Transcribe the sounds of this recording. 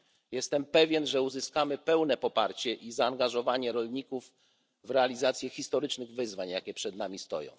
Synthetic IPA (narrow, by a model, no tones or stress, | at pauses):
jɛst̪ɛmpɛvʲjɛnʐɛuzɘskamɘpɛwnɛpɔpa̰ɾt͡ɕɛʔizaːŋɡaʐɔvaɲɛɾɔlɲikuvː | ɾɛalʲizat̪sʲjɛxʲist̪ɔɾɘt͡ʂnɘɣvɘzvaɲjakʲɛpʂɛd̪namʲist̪ɔ̰jɔ̰̃w̃